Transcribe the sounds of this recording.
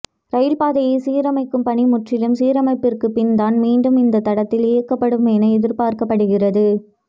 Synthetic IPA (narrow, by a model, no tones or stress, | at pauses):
ɾɐjɪlpaːðɐjɪsiːɾɐmɐɪkːɯmpɐɳimʊʈrɪlɯmsiːɾɐmɐɪpːɪrkɯpɪnd̪aːnmiːɳɖɯmɪnd̪ɐt̪ːɐɽɐt̪ːɪlɪːɐkːɐpːɐɽɯmeːnɐɛðɪɾpaːɾkɐpːɐɽɯɣɪrɐðɯ